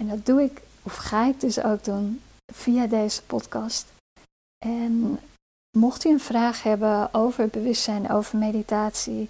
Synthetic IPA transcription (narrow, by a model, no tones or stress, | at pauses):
ɛndɑt̚duɪk | ɔfχaːɪk̚dɵso̰wk̚dun | v̥ijadejz̥ə̥pɔtkɑst | ʔɛn | mɔχtyənv̥raːχhɛbəowvəɹ̚bəʋʏstsɛjnʔo̰wvəɹmejditaːtsi